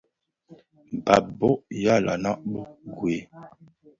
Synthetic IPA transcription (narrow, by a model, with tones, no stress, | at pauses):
m˨ba˨bɔ˦ʔja˦la̰˨na˦ʔbo˦ɡwe˨˦